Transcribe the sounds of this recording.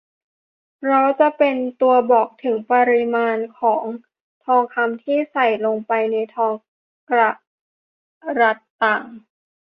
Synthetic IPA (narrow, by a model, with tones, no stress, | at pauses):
ɾa˦˥wt͡ɕa˨˩pe˧nt̪u˧ɐbɔː˨˩k̚t̪ʰɯ˩˦ŋpa˧ɾi˧maː˧nkʰɔː˩˦ŋ | t̪ʰɔː˧ŋkʰa˧mt̪ʰiː˥˩sa˨˩jlo˧ŋpa˧jna˧jt̪ʰɔː˧ŋ | kɾa˧˩ | ɾa˦˥t̪ːaː˨˩ŋ